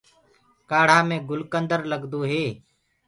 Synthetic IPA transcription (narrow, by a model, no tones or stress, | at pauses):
kaːɽ̤ãːmẽːɡʊlkənd̪əɾləɡd̪oːɦeː